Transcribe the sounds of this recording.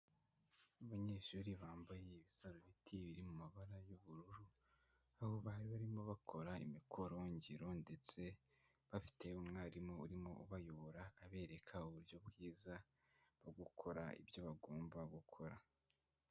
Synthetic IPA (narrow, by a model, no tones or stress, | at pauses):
uβaɲeːʃuːɾiβaːmbajeiβisazoβitʰiβiɾimumaβaɾajoβuɾuɾu | ahoβaɾiβaɾimo̞βakʰo̞ɾaḭmikʰoɾoɲɟiɾo̞nde̞t͡se̞ | βafi̥te̞umŋaːɾimo̞uɾimo̞̰uβajoβoɾaːβe̞ːɾe̞kʰauβuɾjo̞bɡiːza | βoɡukʰo̞ɾa̰ḭβjo̞βaɡoːmbaɡukʰo̞ɾa